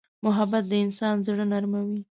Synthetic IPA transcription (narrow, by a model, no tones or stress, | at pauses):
mʊɦabat̪̚d̪əɪnsɑnzɽənaɾmawi